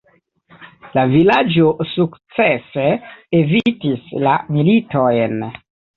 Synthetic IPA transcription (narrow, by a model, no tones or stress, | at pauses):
lavilad͡ʒosukt͡seseevitislamilito̞jn